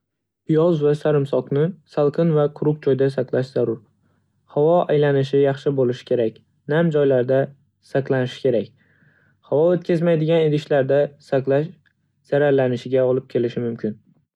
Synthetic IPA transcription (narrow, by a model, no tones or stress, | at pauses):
ɪjɒzvasaɾɪmsɒqnɪsalˠqʰɨnvaqʰʊɾʊk̚d͡ʒɒjd̪asaqlˠaʃz̥aɾʊɾ | havɒʔajlanɪʃ̬ɪjɑχʃɪbolɪʃɪ̥kʲʰe̞ɾakʲ | namd͡ʒɒjlaɾd̪a | saqlˠanɪʃɪ̥kʲʰe̞ɾakʲ | havɒot̪̚kʲʰazmajd̪ɪɡʲaned̪ɪʃlaɾd̪asaqlaʃ | z̥aɾaɾlanɪʃɪɡʲaɒlˠɪp̚kʲʰe̞lɪʃɪmʊmkʲʰɪn